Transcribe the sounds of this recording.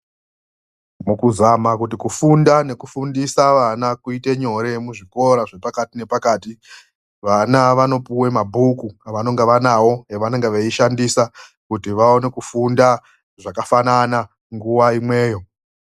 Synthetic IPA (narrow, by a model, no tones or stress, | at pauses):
mukuzamakut̬ikufundane̞kufundisaʋanakuite̞ɲo̞ɾe̞muʐiko̞ɾaʐe̞pakatine̞pakaːti | ʋanaʋano̞puwe̞mabʱukuaʋano̞ŋɡeʋanawo̞ɦeʋane̞ŋɡeʋeiʃandisa | kutiʋaone̞kufunda | ʐakafanana | ŋɡuwaimwe̞ːjo̞